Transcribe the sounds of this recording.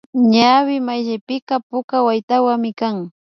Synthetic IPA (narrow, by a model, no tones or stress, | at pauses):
ɲawɪmajʒajpɪkɑpʊkawajt̪awaŋmɪkaŋ